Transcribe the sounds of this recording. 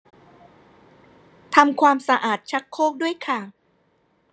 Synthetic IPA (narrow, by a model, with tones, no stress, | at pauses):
t̪ʰa˧mkʰwaː˧msa˧ʔaː˨˩t̪̚t͡ɕʰa˦˥kʰːoː˥˩k̚du˥˩əjkʰa˥˩